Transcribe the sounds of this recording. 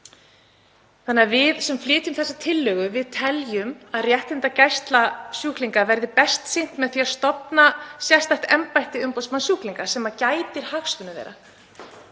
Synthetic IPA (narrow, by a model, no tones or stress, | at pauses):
θanːaɾvɪðsɛmflɪːt̪jʏmθɛsːat̪ʰɪlːœːɣʏvɪðt̪ʰɛljʏmaðrjɛht̪ɪnt̪acajst̪lasjuːhkliŋkavɛɾðɪpɛst̪sen̥t̪mɛðθiaðst̪ɔpnasjɛst̪ajht̪ɛmpajht̪ɪʏmpowsmansjuːhkliŋkḁsɛːmacaːjt̪ɪɾ̥haxskʏnʏvɛ̰ːɾa